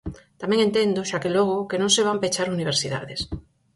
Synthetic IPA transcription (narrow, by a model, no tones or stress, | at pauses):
t̪amẽŋent̪end̪oʃakeloɣ̞okenõŋseβ̞ampet͡ʃaɾuniβ̞eɾsiða̰ðes